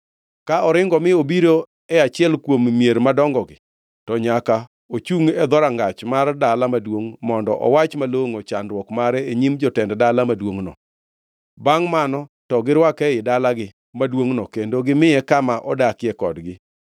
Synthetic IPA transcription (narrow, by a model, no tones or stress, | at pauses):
kaɔɾɪŋɡɔmɪobiɾo | ɛat͡ʃɪɛlkwommijeɾmadɔŋɡɔɡɪ | tɔɲaka | ot͡ʃuŋɛd̪ɔɾaŋɡat͡ʃmardalamadwoŋmɔndɔ̰ʔɔ̰wat͡ʃmaloŋot͡ʃandwɔkmaɾɛeɲimd͡ʒɔtɛnddalamadwoŋnɔ̰ | baŋmanɔtɔɡɪɾwakɛɪdalaɡɪ | madwoŋnɔkendoɡɪmɪɛkamaʔɔdakɪɛkɔdɡɪ